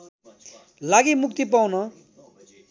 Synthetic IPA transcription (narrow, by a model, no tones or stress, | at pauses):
laɡimuk̚t̪ipawnʌ